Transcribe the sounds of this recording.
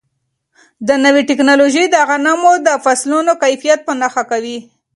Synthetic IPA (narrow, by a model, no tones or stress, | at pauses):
d̪ənawiʈɪknɑloʒid̪əɣanamod̪əfaslunokajfijat̪̚pənaxakawi